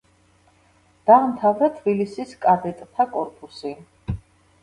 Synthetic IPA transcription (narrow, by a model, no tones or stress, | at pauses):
d̪̥amt̪ʰavɾat̪ʰbilisiskʼad̪ɛt̪ʼt̪ʰakʼɔɾkʼusi